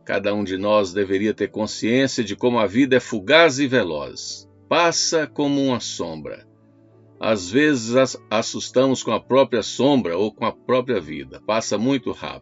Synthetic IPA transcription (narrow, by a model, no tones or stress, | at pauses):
ka̰d̪ɐũd͡ʒɪnɔzd̪eveɾiɐt̪eɾkõsiẽsiɐd͡ʒɪkõmʊɐvid̪ɐɛfuɡazɪvelɔ̰z | pasɐkõmʊũmɐsõ̰bɾɐ̰ | a̰zvezɪzasust̪ɐ̃mʊskõɐpɾɔpɾiɐsõbɾɐokõɐpɾɔpɾiɐvḭd̪ɐpasɐmũj̃t̪ʊha̰p̪